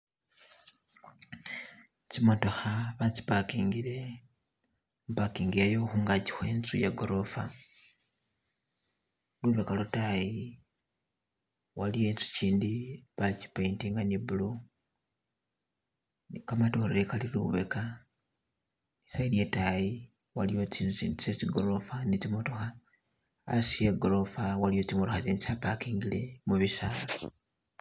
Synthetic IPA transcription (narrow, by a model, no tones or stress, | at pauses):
t͡ʃimoto̞xaβat͡ʃi̥pakiːŋɡile̞ | mupakiːŋɡiejoxuːŋɡaɟi̥xwe̞ːnt͡sujeɡoɾofa | luβekalutaji | walije̞nt͡su̥ciːndiβat͡ʃi̥paintiːŋɡanibulu | nikamato̞ɾeekalilṵβe̞̰ka | nisailje̞taji | walijot͡siit͡sesiɡoɾofanit͡simoto̞xa | a̰sieɡoɾofawalijo̞t͡simotoxat͡ʃenisapakiːŋɡile̞muβisaːlo